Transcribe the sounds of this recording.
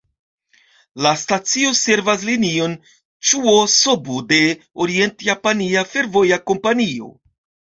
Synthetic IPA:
lastat͡sio̞se̞ɾvas̬linio̞n | t͡ʃuoso̞bode̞oɾie̞ntjapaniafe̞ɾvo̞jako̞mpanio̞̰

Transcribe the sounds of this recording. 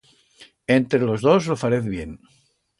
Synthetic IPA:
ent̪ɾelo̞zðozlofaɾeθβje̞n

